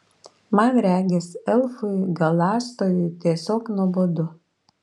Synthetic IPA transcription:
mɑnɾʲæːɡʲɛsɛlˠfʊɪɡɐlˠɑːst̪oːjʊjt̪ʲiɛsʲoːknuɔboːd̪ʊ

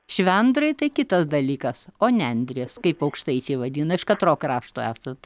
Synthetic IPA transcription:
ʃʲʋʲɛnd̪ɾɐɪt̪ɐɪkʲɪt̪ɐsd̪ɐlʲiːkɐsoːnʲɛnʲd̪ʲɾʲeːskɐɪpɐʊkʃt̪ɐɪt͡ʃʲɛɪʋɐd̪ʲiːnɐɪʃkɐt̪ɾoːkrɑːʃt̪oːæːsɐt̪

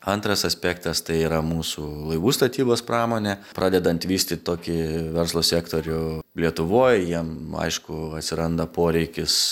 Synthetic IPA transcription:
ɐnt̪ɾɐsɐsʲpʲɛkt̪ɐst̪ɐɪiːɾɐmuːsuːlˠɐɪʋuːst̪ɐt̪ʲiːboːspɾɑːmoːnʲɛpɾʔɑːd̪ʲɛd̪ɐnt̪ʋʲiːsʲt̪ʲɪt̪ʲt̪oːkʲɪʋʲɛɾslˠoːsʲɛːkt̪oːɾʲʊlʲiɛt̪ʊʋoːjjiɛmɐ̰ɪʃkʊɐt̪ʲsʲɪɾɐnd̪ɐpoːɾʲɛɪkʲɪs

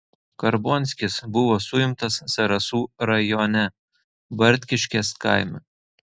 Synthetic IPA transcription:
kɐɾboːnʲsʲkʲɪsbʊʋoːsʊjɪmt̪ɐsːɐɾɐsuːɾɐjoːnʲɛ | bɐɾʲt̪ʲkʲɪʃʲkʲeskɐɪmʲɛ

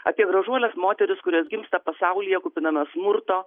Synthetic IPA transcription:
ɐ̰pʲiɛɡɾɐʒuɔlʲɛsmoːt̪ʲɛɾʲɪskʊɾʲiːsɡʲɪmst̪ɐpɐsɐʊlʲɪjɛkʊːpʲɪnɐmʲɐsmʊɾt̪oː

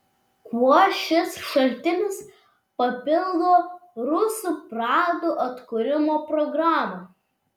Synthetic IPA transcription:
kuɔʃʲɪsʃɐlʲt̪ʲɪnʲɪs | pɐpʲɪlˠd̪oːɾʊsuːpɾɑːd̪uːʔɐt̪kʊɾʲɪmoːpɾɔɡɾɑːmɐ

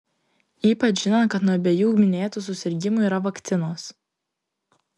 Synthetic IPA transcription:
iːpɐt͡ʃʲʒʲɪnɐkɐt̪nuɔɐbʲeːjuːmʲɪnʲeːt̪uːˑsʊsʲɪɾʲɡʲɪmʊiːɾɐʋɐkt̪sʲɪnoːs

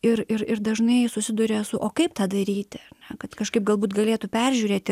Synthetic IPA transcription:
ɪrɪrɪɾd̪ɐʒnɐɪsʊsʲɪd̪ʊɾʲeːsʊʔoːkɐɪpt̪ɑːd̪ɐɾʲiːt̪ʲɪɐɾnʲɛkɐt̪kɐʃkɐɪp̚ɡɐlˠbuːt̪ɡɐlʲeːt̪ʊpʲɛrʲʒʲuːɾʲeːt̪ʲɪ

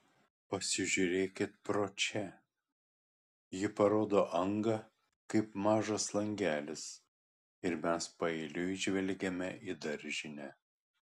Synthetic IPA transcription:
pɐsʲɪʒʲʊɾʲeːkʲɪt̪̚pɾoːt͡ʃʲɛ | jɪpɐɾoːd̪oːʔɐŋɡɐ | kɐɪpmɑːʒɐslˠɐŋʲɡʲæːlʲɪs | ɪɾmʲɛspɐɛɪlʲʊʒʲʋʲɛlʲɡʲɛmʲɛʔid̪ɐɾʲʒʲɪnʲɛ

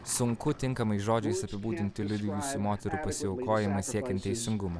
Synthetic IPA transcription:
sʊŋkʊt̪ʲɪŋkɐmɐɪʒoːd͡ʒʲɛɪsɐpʲɪbuːd̪ʲɪnʲt̪ʲɪlʲʊd̪ʲɪjuːsʊmoːt̪ʲɛɾʊpɐsʲɪʊkoːjɪmɐsʲiɛkʲɛnt̪ʲɛɪsʲɪŋɡʊmɐ

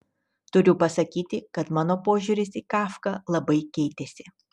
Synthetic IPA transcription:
t̪ʊɾʲʊpɐsɐkʲiːt̪ʲɪkɐt̪mɑːnoːpoːʒʲuːɾʲɪsiːkɑːfkɑlˠɐbɐɪkʲɛɪt̪ʲesʲɪ

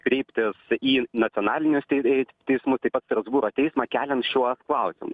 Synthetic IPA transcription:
kɾʲɛɪpʲt̪ʲɪsiːnɐt̪ʲiɔnɑːlʲɪnʲʊsʲt̪ʲɛɪsmʊst̪ɐɪpɐt̪st̪ɾɐzbuːɾoːt̪ʲɛɪsmɑːkʲæːlʲɛnt̪ʃʲuɔsklˠɐʊsʲɪmʊs

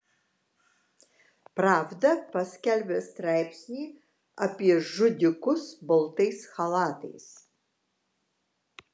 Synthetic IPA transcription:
praːvd̪ɐpɐsʲkʲælʲbʲɛst̪ɾajpsʲnʲiː | apʲiɛʒʊd̪ʲɪkʊsbɐlˠt̪ɐjsxɐlˠɑːt̪ɐ̰js

